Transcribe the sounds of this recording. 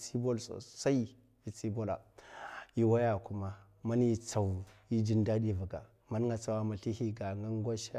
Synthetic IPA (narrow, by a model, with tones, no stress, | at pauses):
si˦bo˦lso̰˨sa˦i˦ | vi˨t͡si˦bo˦la̰˨ | i˦wa˦ja˨ku˦ma˦ | ma˦ni˦t͡sa˨wi˦d͡ʒi˦nda˦di˦˨va˨ɡa̰˨ | ma˨˦n˦ŋɡa˨t͡sa˨wa˨ma˨ɬi˦hi˦ɡa˨ŋɡa˦ŋ˦ɡʷa˦ʃa˦